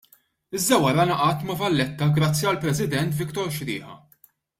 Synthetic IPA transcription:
ɪzd̪ɐwɐɾɐnɐʔɐt̪mɐvɐlːɛt̪ːɐɡɾɐt͡sːjiɐlpɾɛsɪd̪ɛnt̪vɪkt̪ɔɾʃɾɪ̰ːħɐ̰

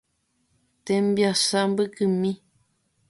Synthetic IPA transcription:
t̪ẽmbjasambɨkɨmĩ

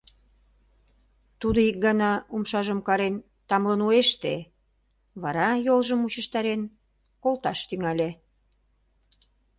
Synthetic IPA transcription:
t̪ud̪oik̚ɡɑnɑumʃɑʒəmkɑɾen | t̪ɑmlənueʃt̪e | βɑɾɑjolʒəmut͡ɕə̆ʃt̪ɑɾen | kolt̪ɑʃt̪yŋælʲe

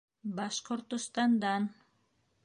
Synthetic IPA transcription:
bɑʃqoɾt̪ʊst̪ɑnd̪ɑn

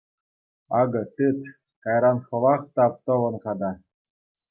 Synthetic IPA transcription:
ɑɡɤ̆t̪ɯt̪ | kɑjɾɑnxɤ̆lˠɑkt̪ɑpt̪ɤ̆ʋɤ̆nkɑd̪ɑ

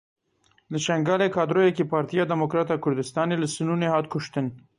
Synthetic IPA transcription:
d̪əʃaŋɡɑlekɑd̪ɾojakepɑɾt̪ijɑd̪ɪmokɾɑt̪awkʊɾd̪ɪst̪ɑneləsɪnunehɑt̪kʊʃt̪ən

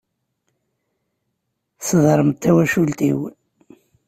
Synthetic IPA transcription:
səðˤɾˤəmt̪ʰːæwæʃult̪iw

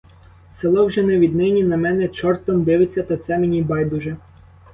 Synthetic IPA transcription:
selˠɔwʒɛnɛʋʲid̪nɪnʲinɐmɛnɛt͡ʃɔrt̪ɔmd̪ɪʋɪt͡sʲːɐt̪ɐt̪sɛmenʲibɑjd̪uʒɛ

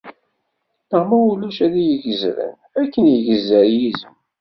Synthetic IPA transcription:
nəʁmæwulæʃæðijəʝəzɾə̰n | ækːənjəʝəzːəɾjizəm

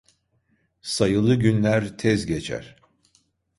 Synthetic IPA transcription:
sajɯlˠɯɟynlʲæɾt̪ʰɛzɟet͡ʃʰæ̰ɾ̥

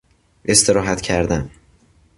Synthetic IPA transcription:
ʔe̞st̪ʰeɾɒːɦæt̪cʰæɾd̪æn

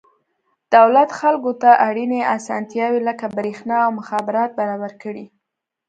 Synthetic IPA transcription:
d̪̥awlat̪xalkot̪aʔaɽineasɑ̰nt̪jɑweləkabɾexnɑawmʊxɑbɪɾɑt̪̚baɾɑbaɾkəɽi

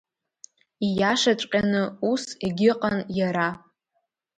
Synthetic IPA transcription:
ijaʂat͡ʃʷʼqʲʼanɨuseɡʲɪqʼanjaɾa

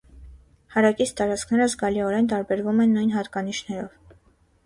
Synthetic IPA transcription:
hɑɾɑkit͡sʰt̪ɑɾɑt͡sʰkʰnɛɾəzɡɑliɔɾɛnt̪ɑɾbɛɾvumɛnːujnɦɑt̪kɑniʃnɛɾɔ̰v

